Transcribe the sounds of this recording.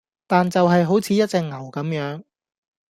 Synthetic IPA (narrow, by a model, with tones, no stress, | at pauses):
t̪aː˨nt͡sɐ˨wɦɐ˨jɦo˨˥wt͡sʰiː˨˥jɐ˥t̚t͡sɛː˧k̚ŋɐ˨˩wkɐ˨˥mjœː˨˥ŋ